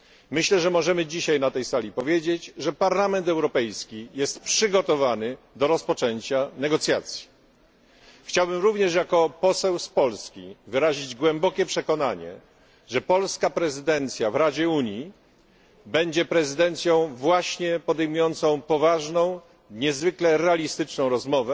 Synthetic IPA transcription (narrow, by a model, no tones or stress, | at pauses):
mɘɕlɛʐɛmɔʐɛmɘd͡ʑiɕajnat̪ɛjsalʲipɔvʲjed͡ʑet͡ɕʐɛpaɾlamɛnt̪ɛwɾɔpɛjskʲijɛst̪pʂɘɡɔt̪ɔvanɘ | d̪ɔɾɔspɔt͡ʂɛɲt͡ɕanɛɡɔt̪sʲjat̪sʲji̥ | xt͡ɕawbɘmɾuvɲɛʂ̬jakɔpɔsɛwspɔlskʲivɘɾaʑid͡ʑɡwɛmbɔkʲɛpʂɛkɔnaɲɛ̰ | ʐɛpɔlskapɾɛzɘd̪ɛnt̪sʲjavɾad͡ʑɛuɲji | bɛɲd͡ʑɛpɾɛzɘd̪ɛnt̪sʲjɔ̃w̃vwaɕɲɛpɔd̪ɛjmujɔnt̪sɔ̃w̃pɔvaʐnɔ̃w̃ | ɲɛzvɘklɛɾɛalʲist̪ɘt͡ʂnɔ̃w̃ɾɔzmɔvɛ